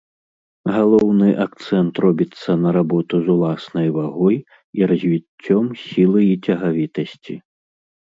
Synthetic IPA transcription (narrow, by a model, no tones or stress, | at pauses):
ɣalˠɔwnɨʔak̚t̪sɛnt̪rɔbʲit̪sːɐnɐɾabɔt̪uzulˠasnɐjvaɣɔj | iɾɐzʲvʲit͡sʲːɔmsʲilˠɐjit͡sʲɐɣavʲit̪ɐsʲt͡sʲi